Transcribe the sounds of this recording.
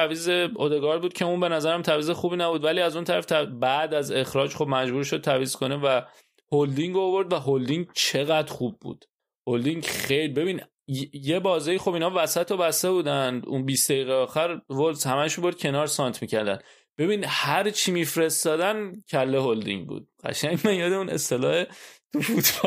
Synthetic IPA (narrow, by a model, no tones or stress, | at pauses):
æviːzeod̪eɡɒɾbuːd̪̚cʰe̞unbe̞næzæɾæmt̪ʰæviːzexuːbiːnæbuːd̪væliːæzunt̪ʰæɾæ̰ft̪ʰæbæd̪æze̞xɾɒːd͡ʒχo̞b̚mæd͡ʒbuːɾʃo̞d̪̚t̪ʰæviːzkʰo̞nevæ | hold̪iŋɡoːvo̞ɾd̪væɦold̪iŋɟt͡ʃʰe̞ɣæd̪χub̚ːṵːd̪̥ | hold̪iŋɟχejlibe̞biːn | jebɒːzɒiːxo̞biːnɒːvæsæt̪ʰobæst̪e̞buːd̪ænd̪ṵnbisd̪eiːɣeɒːxæɾvolshæmæʃumbo̞ɾd̪̚cʰe̞nɒːɾsɒːnt̪ʰmicʰæɾd̪æ̰n | b̥e̞biːnhæɾt͡ʃʰimiːfɾe̞st̪ɒːd̪æncʰælːe̞hold̪ḭŋɟbṵːd̪̥̚ɢæ̰ʃæɲɡmænjɒːd̪eune̞̰st̪ʰe̞lɒ̰ːhet̪ʰufut̪ː